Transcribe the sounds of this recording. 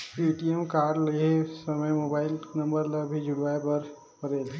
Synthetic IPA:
uːʈiemkaːɾɖleɦesɐməjmoːbaːɪlnɐ̃mbəɾləbʱid͡ʒʱʊɽʋaːepɐɾ | pɐɾeːl

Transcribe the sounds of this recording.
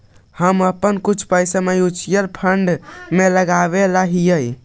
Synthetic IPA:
həməpənkut͡ʃʰpəjsəmejut͡ʃijəɾpʰəɳɖmeləɡaβeləɦijəj

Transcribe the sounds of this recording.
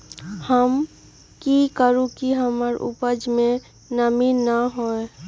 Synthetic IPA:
həm | kikəɾũkiɦəməɾṵpəd͡ʒmẽ | nəminːəɦoe

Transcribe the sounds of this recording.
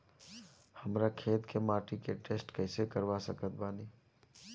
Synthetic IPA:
həmɾakʰeːt̪kʰemaːʈikeʈeːsʈkəɪsekəɾʋasəkət̪̚baːniː

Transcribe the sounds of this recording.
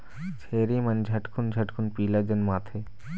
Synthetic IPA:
t͡ɕʰeɾimand͡ʑʱaʈkʰund͡ʑʱaʈkʰunpilad͡ʑenmat̪ʰe

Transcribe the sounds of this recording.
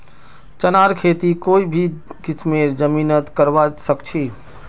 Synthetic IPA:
t͡ʃənaɾkʰet̪ikoːibʱikɪsmeɾd͡ʒəminət̪kəɾbasəkt͡ʃʰi

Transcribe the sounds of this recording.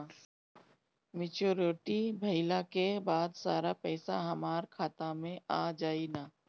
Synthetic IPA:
mɪt͡ʃoːɾoʈibʱɐɪlakebaːd̪saːɾapɛːsaɦɐmaːɾkʰaːt̪amẽʔaːd͡ʒaːinaː

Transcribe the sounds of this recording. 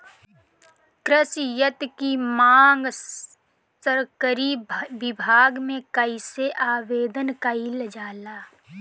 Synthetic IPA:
kɾɪsjət̪kimaːŋɡ | səɾkəɾibɪbʱaːɡmẽkəɪseʔaːʋeːd̪ənkaild͡ʒaːlaː

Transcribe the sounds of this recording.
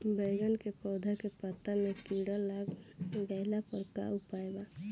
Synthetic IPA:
bəɡənkepɔːd̪ʱakepət̪amekiɽalaɡɡaɪlapəɾka̰upaːjba

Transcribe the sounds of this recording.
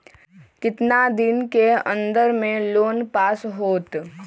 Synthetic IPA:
kɪt̪nad̪ɪnkeə̃nd̪əɾmẽloːnpaːsɦoːt̪

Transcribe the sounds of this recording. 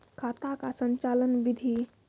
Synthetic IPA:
kʰat̪akasənt͡ʃalənbid̪ʱi

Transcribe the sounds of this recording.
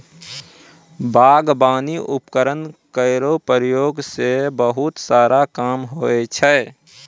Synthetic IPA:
baːɡbaːniʔʊpkəɾənkəɪɾopəɾəjoːɡsebəɦʊt̪saːɾakaːmɦoet͡ʃʰɛː

